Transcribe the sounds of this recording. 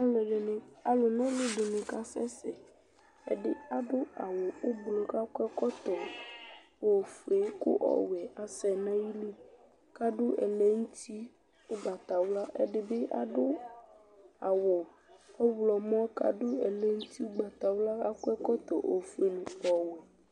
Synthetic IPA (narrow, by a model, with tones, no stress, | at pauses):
a˦le˨ɖe˨ne˨a˨lo˨nã˦le˦ɖe˨nẽ˨ka˦sɛ˦sɛ˨ | ḛ˨ɖe˦a˨ɖo˦a˨wɔ˨o˦blɔ˨ka˦kɛ˦kɔ˦t̪ɔ˨ | o˨fu˨e˦ko̰˦ʔɔ̰˨wɛ˨ʔa˨sɛ˨nã˦ji˦li˦ | ka˦ɖo˦ḛ˨le˦ŋu˦t̪ʰi˦ | o˦ɡ͡ba˨t̪a˨wla˦ʔḛ˦ɖe˨be˦ʔa̰˨ɖo˦ | a˨wɔ˨ | ɔ˦wlɔ˨mɔ̃˦ka̰˨ɖo˦e˨le˦ŋũ˦t̪i˦o˦ɡ͡ba˨t̪a˨wla˦a˦kɛ˦kɔ˦t̪ɔ̰˨ʔo˨fu˦e˨nũ˨pɔ˨wɛ˨